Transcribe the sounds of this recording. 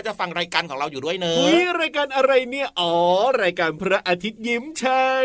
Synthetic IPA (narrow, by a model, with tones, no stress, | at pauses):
t͡ɕa˨˩fa˧ŋɾaː˧jkaː˧nkʰɔː˩˦ŋɾa˧wjuː˨˩du˥˩əjnɤː˧miː˧˥˩ɾaː˧jkaː˧nʔa˧ɾa˧jni˥˩ɐʔɔː˨˩˦ɾaː˧jkaː˧npʰɾa˦˥ʔaː˧t̪ʰi˦˥t̪̚ji˦˥mt͡ɕʰa˦˥